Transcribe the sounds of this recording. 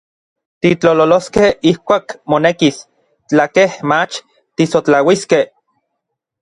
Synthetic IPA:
t̪it͡ɬololoskehihkʷaːkmonekis | t͡ɬakehmat͡ʃ | t̪isot͡ɬawiskeh

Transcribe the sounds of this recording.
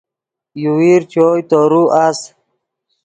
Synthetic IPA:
juwiɾt͡ɕoːjt̪oɾuʔas

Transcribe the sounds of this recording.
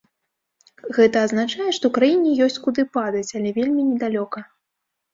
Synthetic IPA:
ɣɛt̪ɐːznat͡ʂajɛʂt̪ɔwkɾajinʲɛjɔsʲt͡sʲkud̪ɨpad̪ɐt͡sʲalʲɛvʲelʲmʲinʲɛd̪alʲɔkɐ

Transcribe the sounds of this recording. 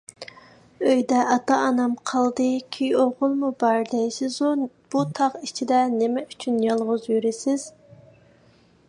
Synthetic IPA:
øjd̪ɛʔɑt̪ɑːnɑmqʰɑlˠd̪ɨkʲʰyjoʁʊlˠmubɑɾd̪ɛjsɪzu | b̥ut̪ʰɑʁit͡ʃʰid̪ɛnɪmɛyt͡ʃʰynjɑlˠʁʊzjyɾɪsɪz̥

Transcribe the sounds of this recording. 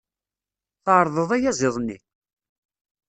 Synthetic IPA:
θəʕɾˤðˤəðˤæjæzˤɪðˤnːḭ

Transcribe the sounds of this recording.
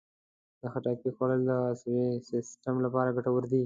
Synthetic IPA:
d̪əxaʈɑkixaɽəld̪əswesɪsʈamlapɑɾaɡaʈawəɾd̪i

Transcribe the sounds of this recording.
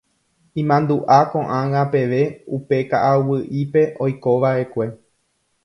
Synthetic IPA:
ĩmãnd̪uʔakõ̞ʔãŋãpe̞ʋe̞upe̞kaʔawɨʔipe̞ʔo̞jko̞ʋaʔe̞kʷe̞

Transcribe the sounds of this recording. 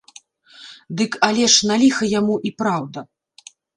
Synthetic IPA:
d̪ɨkalʲɛʂnalʲixɐjamuʔipɾawd̪ɐ

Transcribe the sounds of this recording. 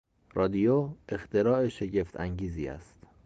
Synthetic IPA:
rɒːd̪ijoe̞xt̪ʰe̞ɾɒːeʃe̞ɟe̞ft̪ʰæŋɟiːziːæ̰st̪

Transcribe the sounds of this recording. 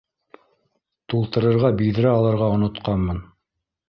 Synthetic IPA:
t̪ulˠt̪ɤ̆ɾɤ̆ɾʁɑbijðɘ̆ɾæɑlˠɤ̆ɾʁɑŏnŏt̪qɑnmɤn

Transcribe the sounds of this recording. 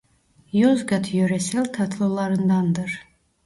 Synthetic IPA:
jozɡat̪ʰjøɾɛsɛlʲt̪ʰat̪ʰlˠolˠɑɾɯnd̪ɑnd̪ɨɾ

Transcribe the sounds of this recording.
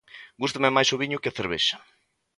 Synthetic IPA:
ɡust̪amemajsoβiɲʊkɪθeɾβḛʃɐ̥

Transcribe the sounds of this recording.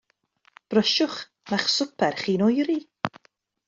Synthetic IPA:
b̥rəʃʊχ | naχsʊpʰɛrχiːnɔjɾi

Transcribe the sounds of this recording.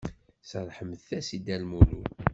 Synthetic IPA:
səɾˤħəmðθæsid̪ælmulu

